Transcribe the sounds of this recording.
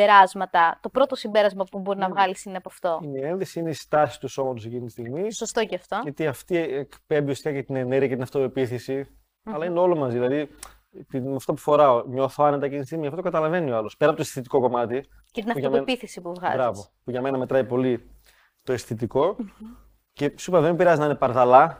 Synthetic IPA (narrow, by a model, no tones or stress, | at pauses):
beɾɐzmɐt̪ɐt̪o̞pɾo̞t̪osimbeɾɐzmɐpubo̞ɾinɐvɣɐlisineɐpɐft̪o̞ineenðesiineist̪ɐsist̪uso̞mɐnt̪usecint̪ist̪iɣmisost̪o̞ceɐft̪o̞ʝɐt̪iɐft̪ieekpe̞mbiost̪ikɐcet̪ine̞ne̞ɾʝɐcet̪inɐft̪ope̞piθesi | ɐlɐineo̞lo̞mɐzðilɐði | t̪imɐft̪opufo̞ɾɐoɲo̞θoɐnet̪ɐcet̪nist̪iɣmiɐft̪ookɐt̪ɐlɐve̞nioɐlo̞speɐpot̪esθit̪iko̞ko̞mɐt̪i | cet̪inɐpuʝoɐmenpiθesipuvɣɐ̰zbɾɐvo | puʝɐme̞nɐme̞t̪ɾɐipo̞li | t̪o̞esθit̪̬iko̞ | ce̞supɐðemibiɾɐziznɐinepɐɾðɐlɐ